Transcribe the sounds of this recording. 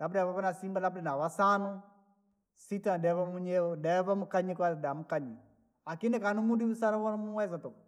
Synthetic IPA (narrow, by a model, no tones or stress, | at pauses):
lap̬dβaβanasimbalabdɛnawasanɔ | sitadɛβamuɲɛɔdɛβamukaɲikadamukaɲi | akinɛkanumudiusanɔwanmuwɛzatɔ